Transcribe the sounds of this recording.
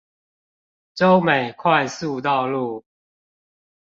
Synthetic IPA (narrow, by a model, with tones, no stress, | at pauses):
ʈ͡ʂo˦ʊme˨˩ɪkʰwa˥˨˧ɪsu˥˨t̪̬ɑ˥˧ʊlu˥˨˩